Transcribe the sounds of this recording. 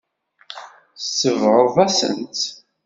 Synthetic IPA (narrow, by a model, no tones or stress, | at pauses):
sːəvʁəɾˤðæsə̰nt̪